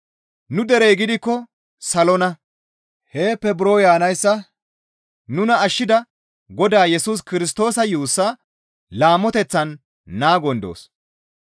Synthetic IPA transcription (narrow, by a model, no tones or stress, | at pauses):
nʊd̪ɛɾɛjɡɪd̪ɪkːɔ | sɐlɔnɐ | heːpːɛbɪɾo̞ːjaːnɐjsːɐ | nʊnɐːʃːɪd̪ɐ | ɡɔd̪aːjɛsuːs̬kɪɾɪs̬t̪o̞ːsɐjuːsːɐ | laːmːɔt̪ɛt͡sːɐnː | aːɡɔnd̪o̰ːs